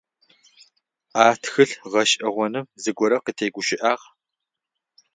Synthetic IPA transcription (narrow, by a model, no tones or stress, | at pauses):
aːtxɨɬʁɐʃʼʔɐʁʷɔnɨmzɨɡʷɔɾɐqətʰeːɡʷʊʃɪʔaːʁ